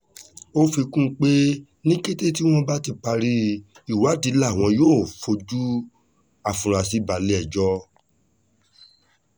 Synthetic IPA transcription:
o˦fi˧kũ˦˧k͡pe˦ | nĩ˦ke˦te˦ti˦w̃ɔ̃˦ba˦ti˧˨k͡pa˧ɾi˧i˦˨wa˨˦di˨˦la˦˨w̃ɔ̃˧joː˦˨fo˧d͡ʒu˦ | a˨fũ˨ɾa˨si˨˦ba˨le˦ɛ˦˨d͡ʒɔ˦

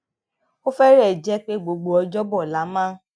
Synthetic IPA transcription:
o˦fɛ˦ɾɛ˦˨d͡ʒɛ˦k͡pe˦ɡ͡bo˨ɡ͡bo˧ɔ˧d͡ʒɔ˦bɔ˦˨la˨˦mãː˦

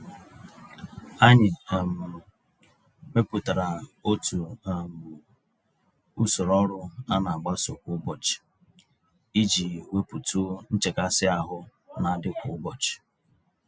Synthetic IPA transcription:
a˦ɲɪ˨m̩˨ | me˦pu˨ta˨ɾa˨o˦tu˨m˨ | u˦so˨ɾɔ˦ɾʊ˦a˦na˨a˨ɡ͡ba˦so˨kʷʊ˦bɔ˨t͡ʃɪ̥˨ | i˦d͡ʒi˨we˦pu˨tu˦n̩˦t͡ʃe˨ka˦sɪ˦a˦ɦʊ˦ | na˨˦dɪ˦kʷʊ˨˦bɔ˨t͡ʃɪ̥˨

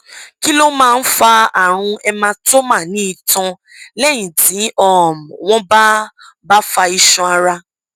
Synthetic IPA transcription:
ki˦lo˦mãː˦˧n̩˦fa˧a˨ɾ̃ũ˧ɛ˧mã˧to˦mã˦˨nĩ˨˦i˧˨tɔ̃˧ | lɛ˦˨j̃ĩ˨ti˨˦ɔ˦˨m˨w̃ɔ̃˦ba˦ | ba˦fa˧i˧ʃɔ̃˧a˧ɾa˧

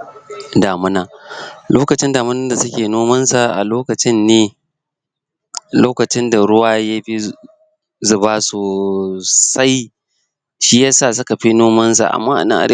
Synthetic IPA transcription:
daː˨mʊ˦naː˦loː˦kɐ˨t͡ʃɪ˦ndaː˨mʊ˦nɐ˦nda˨sʊ˦kʲeː˨noː˦mɐ˦nsa˨ʔa̰˨loː˦kɐ˨t͡ʃɪ˦nːeː˦ | loː˦kɐ˨t͡ʃɪ˦nda˨ɽʊ˦waː˦ja˦ɸi˦ | zʊ˨baː˦soː˨ | sa˦j | ʃi˦ja˦saː˦˨sʊ˦ka˨ɸi˦noː˦mɐ˦nsa̰˨ʔa̰˨mːaː˦ʔa̰˨nɐ̰˦ŋʔa˨e˦

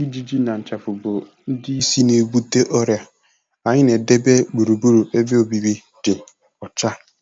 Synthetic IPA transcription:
i˦d͡ʒi˦d͡ʒi˦na˨n̩˨t͡ʃa˨fʊ˨bʊ˨ | n̩˦dɪ˦i˦si˦ne˨ɡu˦te˦ʔɔ˦ɾja˦ | a˨ɲɪ˦ne˨de˦be˦ɡ͡bu˨ɾu˨bu˦ɾu˨e˦be˦o˨bi˨bi˦ | dɪ˨ | ɔ˨t͡ʃa˦

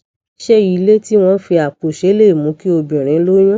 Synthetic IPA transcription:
i˦ʃɛ˦i˨˦le˦ti˦w̃ɔ̃˦fi˧a˨k͡po˨ʃe˨˦le˦˨mũ˨˦ki˦o˧bĩ˨ɾ̃ĩ˨˦lo˦j̃ũ˦

